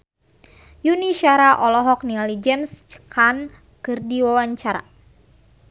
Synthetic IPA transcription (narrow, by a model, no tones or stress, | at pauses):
juniʃaɾaʔɔlɔɦɔk̚nialid͡ʒɛmst͡ʃə̥kan | kɨrdiwawaɲt͡ʃaɾa̰